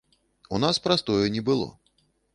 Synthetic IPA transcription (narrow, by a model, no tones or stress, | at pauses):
unaspɾast̪ɔjɛnʲɛbɨlˠɔ̰